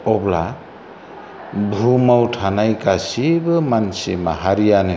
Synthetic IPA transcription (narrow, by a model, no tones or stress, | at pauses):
ɔbla̰ | bʱumawtʰanajkasibɯmansimaɦaɾijanɯ